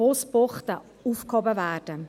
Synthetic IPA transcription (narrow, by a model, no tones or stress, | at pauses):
oːspɔχtə | uːfkhɔbəvæːɾd̥ə